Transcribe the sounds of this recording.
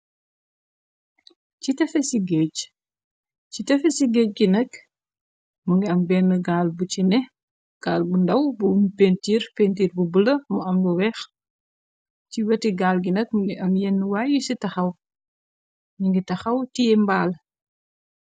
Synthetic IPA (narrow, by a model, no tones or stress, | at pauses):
citɛfɛsiɡɛc | t͡ʃitɐfɛsiɡɛːc̚ɡinɐk | muŋɡiɐmbɛnːəɡaːlbut͡ʃinɛ | ɡ̥aːlbundɐwbuunpentiːɾpentiːrbubəlɐmuɐmluwɛːx | ciwɐtiɡaːlɡinɐk̚muŋɡiʔɐmjɛnːəwajusitɐxɐw | ɲiŋɡitɐxɐwtijɛmbaːl